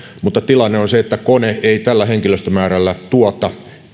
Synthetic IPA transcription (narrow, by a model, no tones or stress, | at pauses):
mut̪ːɑt̪ilɑnːeonseet̪ːækoneeit̪ælːæheŋkiløst̪ømæːɾælːæt̪uɑt̪ɑ